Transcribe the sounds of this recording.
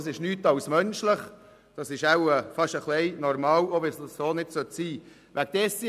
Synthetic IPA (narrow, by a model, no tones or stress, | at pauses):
s̬ɪʃnyːtɑwsmœnʃlɪχ | d̥ɑsɪʃæwəfɑʃəχlɛɪnɔɾmɑːwoʋɪsːoːnɪdsœt̪siː | ʋæk̚d̥ɛsi